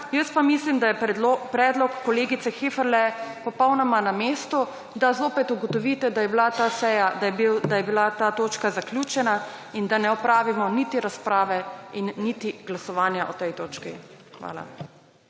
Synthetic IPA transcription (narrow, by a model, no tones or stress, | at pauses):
jəst̪pamislimd̪ajɛpɾɛːd̪lɔkːɔleːɡit̪sɛxefɛɾlɛpɔpɔwnɔmanameːst̪ɔ | d̪azoːpɛt̪uɡɔt̪ɔʋit̪ɛd̪ajɛbilat̪asɛjad̪abd̪ajɛbilat̪aːt̪oːt͡ʃkazaklʲjuːt͡ʃɛnaind̪anɛɔpɾaːʋimɔnit̪iɾaspɾaːʋɛinːit̪iɡlasɔʋaːnjaʔɔt̪ɛjt̪oːt͡ʃki | xʋa̰ːla̰